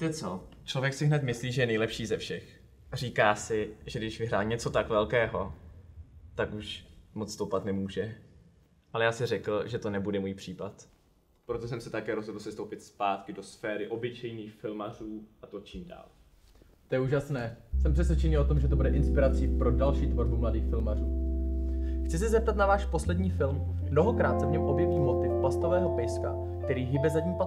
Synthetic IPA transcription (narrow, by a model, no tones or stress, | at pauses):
t̪ɛt͡sot͡ʃlovjɛksɪɦnɛt̪mɪsliːʒɛjɛnɛjlɛpʃiːzɛfʃɛx | r̝iːkaːsɪʒɛɡdɪʃvɪɦɾaːlɲɛt͡so̞t̪akvɛlkɛːɦo̞ | t̪akuʃmot͡sst̪owpat̪nɛmuːʒɛ | ʔalɛjaːsɪrɛkl̩ʒɛt̪o̞nɛbudɛmuːjpr̥iːpat̪ | pɾot̪osɛmsɛt̪akɛːɾozɦodl̩sɛst̪owpɪt̪spaːt̪kɪdo̞sfɛːɾɪʔo̞bɪt͡ʃɛjniːxfɪlmar̝uːʔat̪ot͡ʃiːmda̰ːl | t̪ojɛuːʒasnɛːsɛmpr̥ɛs̬vʲɛt͡ʃɛɲɪlot̪omʒɛt̪obudɛʔɪnspɪɾat͡sipɾodalʃiːt̪voɾbumladiːxfɪlmaruː | xtt͡sɪs̬ɪzɛp̚t̪at̪navaːʃpo̞slɛdɲiːfɪlmː | no̞ɦo̞kɾaːt̪̚sɛvɲɛmʔo̞bjɛviːmo̞t̪ɪfpast̪o̞vɛːɦo̞pɛjska̰ | k̚t̪ɛɾiːɦɪbɛzaɟɲiːpa